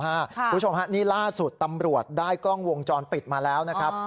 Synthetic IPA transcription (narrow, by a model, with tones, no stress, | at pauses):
a˦˥˩ku˧˦˥t͡ɕʰo˧mɦa˦˥niː˥˩laː˥˩su˨˩t̪ːa˧mɾu˨˩ət̪̚daː˥˩jkɔ˥˩ŋwo˧ŋt͡ɕɔː˧npi˨˩t̪̚maː˧lɛː˦˥wna˦˥kʰɾa˦˥p̚